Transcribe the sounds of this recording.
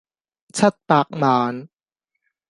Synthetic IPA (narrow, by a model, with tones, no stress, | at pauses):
t͡ɕʰa˦˥˩t̪̚paː˨˩k̚maː˨˦n